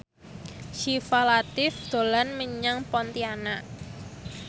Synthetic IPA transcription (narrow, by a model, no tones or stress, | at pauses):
ʃifalat̪ɪfd̪̥o̤lanməɲaŋpɔnt̪ianaʔ